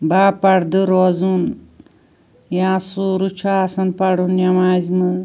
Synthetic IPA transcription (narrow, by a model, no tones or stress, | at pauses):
baːpɐɽd̪ɨɾozun | jãːsuːɾut͡ʃʰaːsɐnpɐɽunjamaːzmɨ